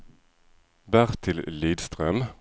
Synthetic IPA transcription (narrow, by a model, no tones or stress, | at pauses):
bæʁt̪ʰɪlliːd̪st̪ʁœm